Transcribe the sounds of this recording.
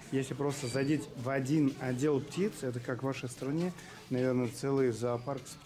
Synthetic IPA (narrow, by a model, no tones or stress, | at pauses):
jesʲlʲɪpɾo̞st̪əzɐdʲitʲvɐdʲinɐdʲelˠptʲit̪sɛt̪̬əkakvaʂəjst̪ɾɐnʲe | nɐvʲe̞rnət̪sɛlˠɨjzaːparks